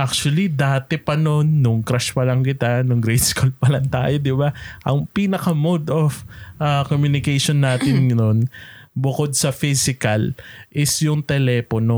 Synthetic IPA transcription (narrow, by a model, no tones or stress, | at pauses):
ʔak̚t͡ʃʊɐlid̪aːt̪ɛpɐno̞nːʊŋkɾaʃpɐlɐŋkɪt̪anʊŋɡɾɛjd̪skol̚pɐlɐŋt̪a̰ːjod̪ɪbaʔɐŋpiːnɐkɐmod̪ofʔakomjunɪkɛjʃonːaːt̪ɪnnonbʊko̞d̪̚sɐfisɪkɐlʔɪsjʊŋt̪ɛlɛːpono̞